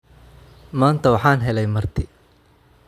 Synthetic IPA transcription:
maːnt̪ʰɐwɑħaːnɦɛlɛjmɐrt̪ʰɪ

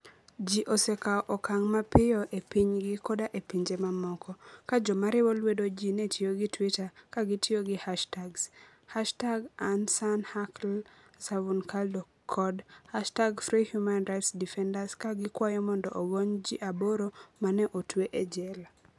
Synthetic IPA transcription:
d͡ʒiʔosekaʔɔkaŋmapɪjɔʔepiɲɡɪkɔdaʔepiɲd͡ʒemamɔkɔkad͡ʒɔmaɾɪwɔlwedod͡ʒinetʰjoɡɪtwitakaɡɪtjoɡɪhaʃtaɡs | haʃtaɡansanhakl | savunkʰaldo | kʰɔdhaʃtaɡfɾihjumanɾaɪtsdifɛndaskaɡɪkwajɔmɔndɔʔowoɲd͡ʒiʔaboɾomanɛʔotweʔed͡ʒɛl

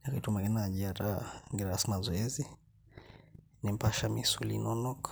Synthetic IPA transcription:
nakitumaɡinaʄiaɾaŋɡiɾaɾasmazɔɛzi | nim̩paʃamisulinɔnɔk

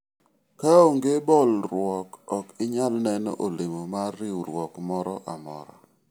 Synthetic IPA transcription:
kaoŋɡebɔlɾwɔkɔkɪɲalnɛnɔ̰ʔolɪmomarːɪwɾwɔkmɔɾɔʔamɔ̰ɾɔ̰

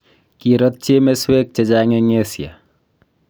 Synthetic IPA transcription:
kiɾʌt̪̚t͡ʃemeswek̚t͡ʃed͡ʒaŋeŋesja̰

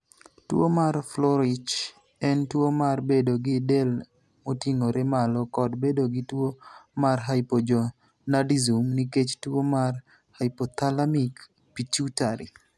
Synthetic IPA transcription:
twomarflɔɾɪt͡ʃ | ɛntwomarbedoɡɪdel | motiŋoɾemalɔkɔdbedoɡitwomarɦajpod͡ʒɔ | nadizumniket͡ʃtwomar | hajpot̪alamik | pit͡ʃutaɾḭ

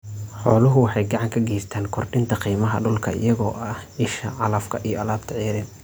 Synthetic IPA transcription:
ħɔːlʊɦʊwɑħɑjɡɑʕɑŋkʰɐɡɛjst̪ʰaːnkʰɔrɖɪnt̪ʰɐqiːmɐɦɐ̰ɖʊlkʰɐ̰ɪ̰jɐɣɔːʔɐhɪʃɐʕɑlɐfkʰɐʔijɔʔɐlaːbt̪ʰɐʕiːɾɪn

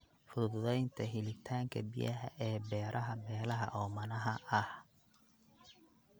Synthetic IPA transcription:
fʊðʊðɛjnt̪ʰɐɦɪlɪt̪ʰaːŋkʰɐ̰bɪjɐɦɐ̰ʔɛːbɛːɾʔɐɦɐmɛːlɐɦɐ̰ʔɔːmɐnɐɦɐʔɐh

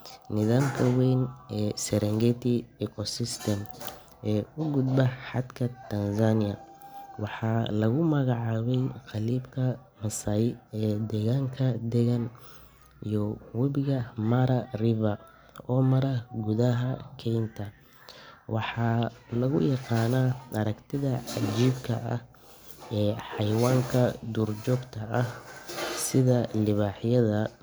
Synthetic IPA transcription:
nɪðaːmkʰɐwɛjnʔɛːsɛɾɛŋɡɛt̪ʰɪɛkʰɔsɪst̪ʰɛm | ʔɛːʊɡʊd̪bɐħɑd̪kʰɐt̪ʰɐnsanɪjɐ̰wɑħɑːlɐɣʊmɐɣɑʕɑːβɛjqɑliːbkʰɐ | mɐsajɪɛːd̪ɛːɣaːŋkʰɐd̪ɛɣɐn | ijɔwɐβɪɣɐmɐɾɐrɪβɐ | ɔːmɐɾɐɡʊðɐɦɐkʰɛjnt̪ʰɐ | wɑħɑːlɐɣʊ̰jɑqɑːnaɐɾɐɡt̪ʰɪðɐʕɑd͡ʒiːbkʰɐ̰ʔɐ̰h | ɛːħɑjwaːŋkʰɐd̪ʊrt͡ʃɔːɡt̪ʰɐʔɐhsɪðɐlɪβaːħjɐðɐ

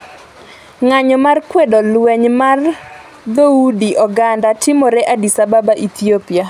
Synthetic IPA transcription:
ŋaɲɔmarkwedɔlwɛɲmar | d̪oudiʔɔɡandatɪmɔɾɛʔadisababaʔit̪iopia

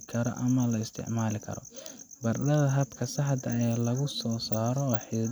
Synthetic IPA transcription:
kʰɐɾɔ̰ʔɐmɐlɐɪst̪ʰɪ̰ʕmaːlɪkʰɐ̰ɾɔ̰bɐrdɐðɐɦɐbkʰɐsɑħd̪ɐjaːlɐɣʊsɔːsaːɾɔwɑħɪ

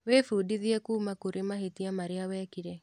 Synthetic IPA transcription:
wefudiðiɛkuːmakuɾʔemahitiamaɾɪawɛkiɾɛ

